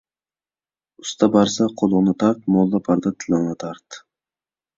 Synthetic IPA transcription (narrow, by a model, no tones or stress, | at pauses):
ʊst̪abaɾsaqʰolˠʊʁnat̪ʰaɾt̪̚mɔlˠd̪apʰaɾd̪at̪ʰɪlawnat̪ʰaɾt̪